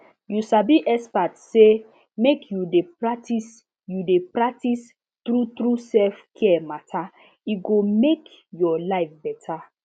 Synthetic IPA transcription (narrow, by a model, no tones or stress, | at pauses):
jusabiʔɛspatse | mekʰjudepɹatis | judepɹak̚tis | tɾut̪ɾusɛlfkʰɛɛmatʰa | iɡomek | jɔlaɪfbɛtʰa